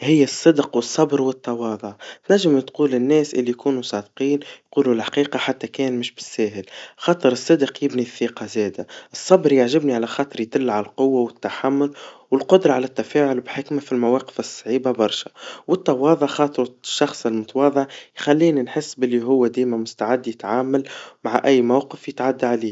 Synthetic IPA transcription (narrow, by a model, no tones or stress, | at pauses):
hɪjːæsˤːɨd̪qwəsˤːɑbɾwɪt̪ːɑwɑːðˤʊʕt̪næʒːɪmt̪quːlɪnːɛːsʔɪlːijkuːnusˤɑːd̪qiːnjquːlulħḁqiːqɑħat̪ːækɛːnmɪʃbɪ̥sːæːɦɪlxɑːt̪ˤəɾɨsˤːɨd̪qjɪbniθiːqɑzɛːd̪æʔɨsˤːɑbɾjaʕʒɪbniʕalæxɑːt̪ˤɨɾˤjt̪ɪlːʕaælqʊwːawɪt̪ːaħamːʊlwɪlqʊd̪ɾˤɑʕalæt̪ːæfæːʕʊlbħɪkmafilmæwɑːqə̥fɨsˤːʕiːbabɑɾˤʃæ̥wət̪ˤːɑwɑːðˤɑʕxɑːt̪ˤɨɾʃːɑxsˤɪlmʊt̪ɑwɑːðˤəʕjxælːiːninħɪsːbɪlːiɦʊwːæd̪iːmæmʊst̪aʕɪd̪ːjɪt̪ʕaːmalmaʕaʔæjːmawqəfjɪt̪ʕad̪ːaʕaliː